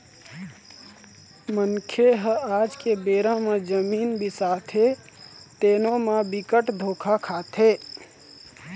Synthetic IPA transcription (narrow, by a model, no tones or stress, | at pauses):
mənkʰeɦəad͡ʒkebeːɾãmed͡ʒəmiːnbisat̪ʰe | t̪eːnõmebikəʈd̪ʱoːkʰakʰaːt̪ʰɦe